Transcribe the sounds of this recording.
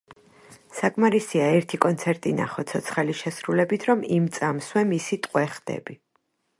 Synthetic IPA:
sakʼmaɾisiaɛɾt̪ʰikʼɔnt̪sʰɛɾt̪ʼina̰χɔt̪sʰɔt̪sʰχɛliʃɛsɾulɛbit̪ʰɾɔmimt̪sʼamswɛmisit̪ʼqʼwɛχd̪̥ɛ̰bi

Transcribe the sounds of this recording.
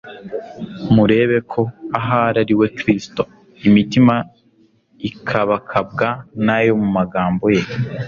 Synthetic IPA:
muɾe̞ːβe̞kʰo̞aɦaɾaɾiwe̞kɾisto | imitima | ikʰaβakʰab̚ɡanajo̞mumaɡaːmbo̞je̞

